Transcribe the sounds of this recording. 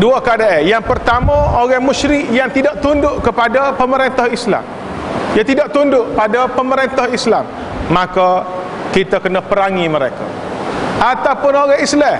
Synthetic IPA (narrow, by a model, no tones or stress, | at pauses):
duakadaʔejaŋpərt̪amə̃oɣahmuʃɾɪʔjaŋt̪idaʔt̪undʊʔkəpadapəməɾent̪ahisla̰m | jaŋt̪idaʔt̪undʊʔpadapəməɾent̪ahislamː | aka | kit̪akənəpəɾaŋiməɾeka̰ | at̪awpʊnoɣaɦislɛ